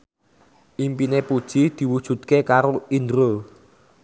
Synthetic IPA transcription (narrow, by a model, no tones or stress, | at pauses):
ʔimpinepud̥ʒ̥id̪̥i̤wud̥ʒ̥ṳt̪̚kekaɾoind̪ɾo